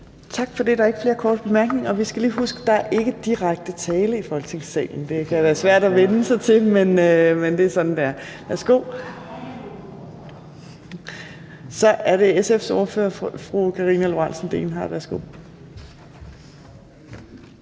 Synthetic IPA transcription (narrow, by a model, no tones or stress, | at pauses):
t͡sʰɑ̈ɡ̥fɒ̽d̥e̝d̥ɑ̈æe̝ɡ̥əfle̝ːɐkʰɒːd̥̚b̥e̝mæɐɡ̥ne̝ŋɒ̽ʋisɡ̥ælḭːɦusɡ̥əd̥ɑ̈æɐʔe̝ɡ̥əd̥iʁɑ̈ɡ̥̚d̥ət͡sʰɛːləifɒ̽lɡ̥t͡sʰe̝ŋsɛ̰ːn̩d̥e̝kʰæʋæːɐsʋæɐ̰d̥ɒʋenəsɑ̈ɪt͡sʰe̝menømend̥e̝æsɒ̽d̥n̩d̥eæɐʋæɐsɡ̥o̝̰ː | sɒ̽ʔæɐɾe̝esefso̝ɐfø̰ːɐfʁukʰɑ̈ʁiːnælo̝ɑnsn̩d̥e̝̰ːnɦɑ̰ːʋæɐsɡ̥o̝̰ː